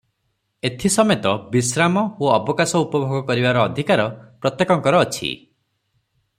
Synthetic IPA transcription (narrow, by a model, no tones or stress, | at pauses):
et̪ʰisɔmet̪ɔbisɾamɔoɔbɔkasɔupɔbʱɔɡɔkɔɾibaɾɔːd̪ʱikaɾɔpɾɔt̪jekɔŋkɔɾɔːt͡ʃʰḭ